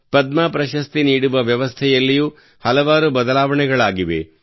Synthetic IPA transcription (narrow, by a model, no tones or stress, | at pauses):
pɐd̪maːpɾɐʃɐst̪iniːɽuʋɐʋjɐʋɐst̪ʰɛjɐlːijuː | hɐlɐʋaːɾubɐd̪ɐlaːʋɐɳɛɡɐɭaːɡiʋḛ